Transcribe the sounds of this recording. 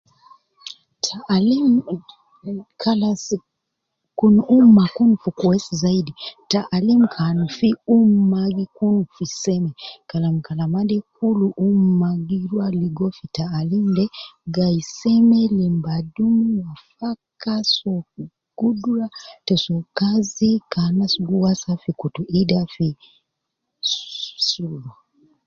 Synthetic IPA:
tʰali | kʰalas | kunuumakunufukwesizaiditaʔalimukʰanufiummaɡikunufisemekalamukalamadikuluʔummaɡiɾwaliɡɔfitaːlimdɛɡaisɛmɛlimbadumuwafakasɔ | ɡ̥udɾatɛsɔkazikanasɡuwasafikutuʔidafi | ssula

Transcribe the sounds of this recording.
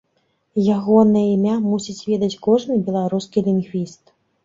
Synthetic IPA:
jaɣɔnɐjɐimʲamusʲit͡sʲvʲɛd̪ɐt͡sʲkɔʐnɨbʲɛlˠaɾuskʲilʲinɣvʲist̪

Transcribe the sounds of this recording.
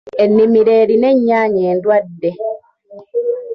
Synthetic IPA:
enːimiɾe̞ːɾine̞ɲːaːɲeːndwadːe

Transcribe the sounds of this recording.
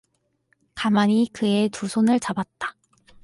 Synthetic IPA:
kamaɲikɯe̞tusʰonɯɭt͡ɕabat̚t͈ḁ

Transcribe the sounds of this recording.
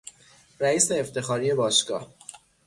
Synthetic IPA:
ɾæiːse̞ːft̪ʰe̞xɒːɾije̞bɒːʃɡ̥ɒ̰ːh

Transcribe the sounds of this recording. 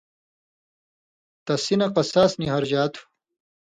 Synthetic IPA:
t̪ɐsinɐqɐsaːsniɦɐɾʑaːt̪ʰu̥

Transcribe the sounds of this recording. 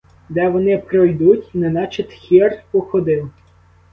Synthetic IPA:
d̪ɛʋɔnɪpɾɔjd̪utʲnɛnɑt͡ʃit̪xʲirpɔxɔd̪ɪw

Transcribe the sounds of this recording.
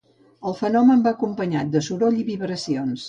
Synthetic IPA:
əlˠfənɔməmbaːkumpəɲat̪̚d̪əsuɾoʎiβiβɾəsions

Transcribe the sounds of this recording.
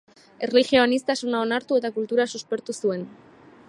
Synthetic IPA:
e̞rlixioanist̪asunao̞naɾt̪ue̞t̪akult̪uɾasuspe̞ɾt̪usue̞n

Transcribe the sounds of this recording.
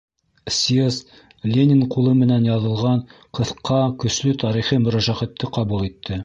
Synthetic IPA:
sʲies | lʲenʲiɴqulˠɤmɘ̆nænjɑðɤ̆lˠʁɑɴqɤ̆θqːɑkɵ̆ʃlɵt̪ɑɾiχɤmɵ̆ɾæʒæʁæt̪ʰːɘqɑbulˠit̪ʰːɘ

